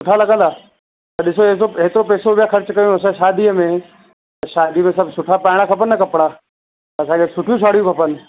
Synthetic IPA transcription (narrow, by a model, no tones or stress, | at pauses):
sʊʈʰalɐɠə̃n̆d̪aː | t̪ɐɗɪsoes̬oet̪ɪɾopɛːsobɪjakɐɾt͡ʃkɐjoɐs̬ãʃaːd̪iəmẽ | ɐʃaːd̪ʱimẽsɐbsʊʈʰapaːɪɽ̃akʰɐpənːɐkɐpɽaː | ɐsãkʰesʊʈʰijũʃʰaːɽ̤ijũkʰɐpən